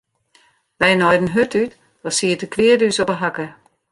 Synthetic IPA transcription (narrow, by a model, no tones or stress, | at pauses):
ʋɛjənɔjdən̩ɦøtyt | ɔsiətəkʰʋɪədysɔpəɦakə